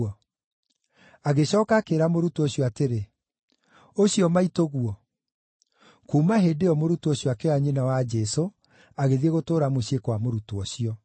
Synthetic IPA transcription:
ɔ | aɣeɕɔːkakeɾamoɾutuɔɕijɔateɾe | oɕijɔmaitoɣuɔ | kuːmaɦedeɔmoɾutuɔɕjɔakeaɲenawad͡ʒɛso | aɣeðieɣotoːɾamoɕekwamoɾutoɔɕijɔ

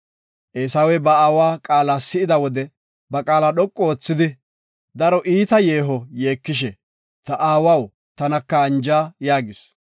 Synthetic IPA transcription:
ʔeːsɐwɛbɐaːwaːkʼaːlaːsɪɪd̪ɐwɔd̪ɛ | bɐkʼaːlaːɗɔkʼːɔoːt͡sːɪd̪ɪ | d̪ɐɾɔʔiːt̪ɐje̞ːɦɔjeːkːɪʃ̬ɛ | t̪ɐʔaːwɐw | t̪ɐnɐkːɐːnd͡ʒaːjaːɡɪs

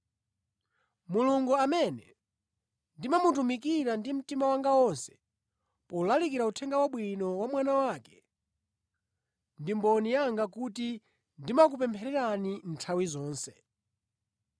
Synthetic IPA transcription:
muluŋɡuamɛnɛ | ndimamutumik̬iɾandim̩timawaŋɡawɔnsɛ̥ | pɔulalik̬iɾautʰɛŋɡawaɓwinɔwamwanawaːkɛ̥ | ndimbɔnijaŋɡakuti | ndimak̬upɛmpʰɛɾɛɾanin̩tʰawizɔːnsɛ̥

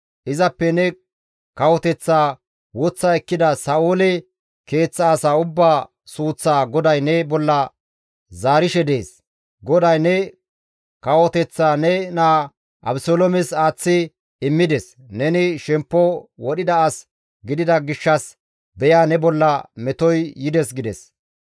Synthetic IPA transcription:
ʔɪzɐpːɛnɛ | kɐwɔt̪ɛt͡sːaː | wɔt͡sːaɛkːɪd̪ɐsɐʔoːlɛ | ke̞ːt͡sːɐːsaːʊbːaː | suːt͡sːaːɡɔd̪ɐjnɛbɔlːɐ | zaːɾɪʃɛd̪eːs | ɡɔd̪ɐjnɛ | kɐwɔt̪ɛt͡sːaːnɛnaː | ʔɐbsoːlɔmɛsaːt͡sːɪ | ɪmːɪd̪ɛs | nɛnɪʃɛmpːɔwɔɗɪd̪ɐːs | ɡɪd̪ɪd̪ɐɡɪʃːɐs | bɛjaːnɛbɔlːɐmɛt̪ɔjːɪd̪ɛsɡɪd̪ɛ̰s

